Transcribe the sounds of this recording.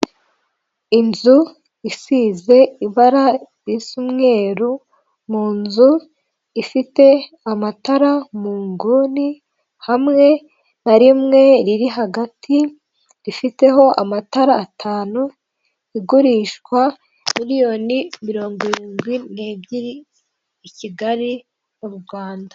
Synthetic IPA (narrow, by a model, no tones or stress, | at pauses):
inzu | isiːze̞iβaɾaɾisumŋe̞ːɾu | muːnzu | ifite̞ | amataɾamuːŋɡuːni | hamŋe̞ | naɾimŋe̞ɾiɾiɦaɡatʰi | ɾifite̞ɦo̞ʔa̰mataɾaːtʰaːnu | iɡuɾiʃkwa | miɾijo̞ːnimiɾo̞ːŋɡiɾiːŋɡwineːbɟiɾiː | ciɡaɾi | nuɾuɡɡwaːnda